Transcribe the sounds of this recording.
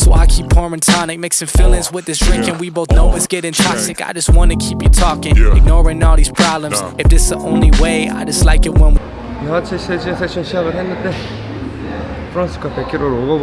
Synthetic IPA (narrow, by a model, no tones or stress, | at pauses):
soʊaɪkʰipʰɔɹmɨ̃ntʰɑnɨk̚meɪksɨ̃ɱfɪlˠɨ̃nswɨðɪsd̥ɹɪ̃ŋkɨ̃nwiboʊθnoʊwʌsɡ̥ɛɾɪ̃ŋtʰɑksɨka̰ɪd͡ʒʌst̚wɑ̃nɨkʰipjɨtʰɔkɪ̃ŋɨɡ̚nɔɹɪ̃ŋnɔlˠðiz̥pʰɹ̥ɑblə̃mz̥ɨfðɪtsðiʔõʊ̃nliweɪa̰ɪd͡ʒʌstˡlaɪkɨt̚wə̃nw | nat͡ʃʰɛʃɛt͡ʃɛsɛʃə̃nʃɛvəɾɛ̃ndəd̪ɛ | fɹɔ̃nskɔtɛ̃kɪɾoɾowo